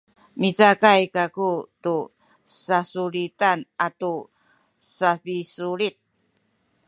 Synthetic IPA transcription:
mit͡sakajkakutu | sasulitanʔatu | safisuɾit̪̚

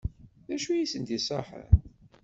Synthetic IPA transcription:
ðæʃujisənt̪isˤɑħə̰n

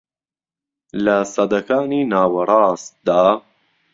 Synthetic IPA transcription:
lasɑd̪akaːniːnaːwɑɾˤɑːsd̪aː

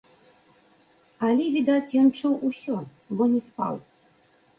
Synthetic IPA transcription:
alʲɛvʲid̪at͡sʲjɔnt͡ʂuwusʲɔ | bɔnʲɛspa̰w

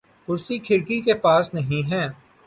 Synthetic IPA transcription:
kʊɾsikʰɪɾkikepaːsnɐɦĩɦɛː

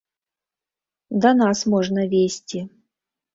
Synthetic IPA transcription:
d̪ɐnasmɔʐnəvʲesʲtʲi

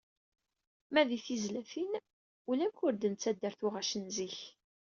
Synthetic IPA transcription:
mæðiθizlæθin | ulæmkʊɾd̪ənt͡sːæd̪ːæɾθʊʁæʃənziç

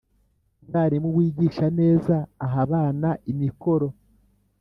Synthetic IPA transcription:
aːɾimuβwiːɟiːʃane̞ːzaːɦaβaːnaʔimiko̞ɾo̞

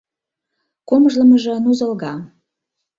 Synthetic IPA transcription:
komʒlə̆məʒɤ̆nuzə̆lɣɑ

